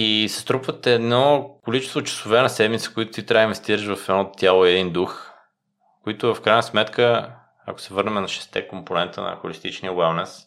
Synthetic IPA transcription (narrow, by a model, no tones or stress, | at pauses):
isɛ̥st̪ɾupvət̪ɛːd̪nɔkolit͡ʃɛst̪vot͡ʃɐ̥sovɛnɐsɛd̪mit̪sə̥kʊit̪ʊ̥t̪it̪ɾʲaəinvɛst̪iɾəʃvɐfɛd̪nɔt̪ʲjalˠoɛd̪ind̪ux | koit̪ʊvɐfkɾajnəsmɛt̪kʰə | ɐ̰ko̥sɛvɤɾnɛmɛnɐʃɛ̥st̪ɛ̰komponɛnt̪ə̰nɐ̰xolist̪it͡ʃniəwɛlˠnɛs